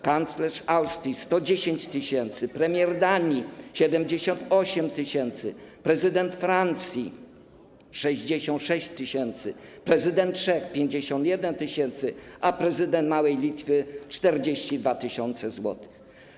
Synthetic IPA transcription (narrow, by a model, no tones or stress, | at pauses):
kant̪slɛʂawst̪ɾʲist̪ɔd͡ʑeɕeɲt͡ɕt̪ɘɕɛnt̪sɘpɾɛmʲjɛɾd̪aɲiɕɛd̪ɛmd͡ʑeɕɔnt̪ɔɕɛmt̪ɘɕɛnt̪sɘpɾɛzɘd̪ɛnt̪fɾant̪sʲji | ʂɛʑd͡ʑeɕɔ̃nt̪ʂɛɕt͡ɕt̪ːɘɕɛnt̪sɘpɾɛzɘd̪ɛnt̪ʂɛxpʲjeɲd͡ʑeɕɔ̃nt̪jɛd̪ɛnt̪ɘɕɛnt̪sɘʔapɾɛzɘd̪ɛnt̪mawɛjlʲit̪fɘt͡ʂt̪ɛɾd͡ʑeɕt͡ɕid̪vat̪ɘɕɔnt̪sɛzwɔ̰t̪ɪ̥x